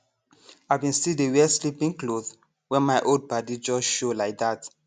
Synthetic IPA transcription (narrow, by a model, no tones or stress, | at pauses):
aɪbĩnstildewɛslipĩŋkloð | wɛ̃nmaɪʔold̚badid͡ʒɔʃolaɪk̚ðat